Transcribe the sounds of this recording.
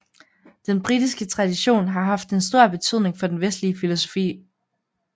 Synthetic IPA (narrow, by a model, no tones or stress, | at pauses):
d̥enb̥ʁidisɡ̥ət͡sʰʁɑ̈d̥iɕo̝̰ːnɦɑ̈ɦɑ̈fd̥e̝nsd̥o̝ɐ̰b̥e̝t͡sʰyð̞̰ˠne̝ŋfɒ̽d̥enʋesd̥liəfilo̝so̝̥fḭː